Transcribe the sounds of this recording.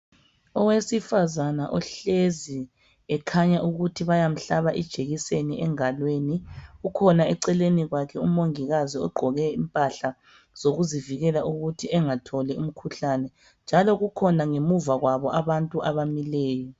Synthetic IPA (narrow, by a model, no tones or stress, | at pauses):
ɔwesifazanaʔɔɬezi | ɛkʰaɲaʔuɣutʰiβajam̩ɬaβaʔid̥ʒ̥ʱeɣiseniɛŋalweniɣukʰɔnaɛǀɛleniɣwakʰɛumoŋiɣaziɔɡ͡ǃʱɔɣɛimpʼaɬa | z̥oɣuziviɣɛlaʔuɣutʰiɛŋatʰɔlɛum̩kʰuɬanɛ | nd͡ʒʱalɔɣukʰɔnaŋemuvaɣwaβɔʔaβantʼuʔaβamilɛːjɔ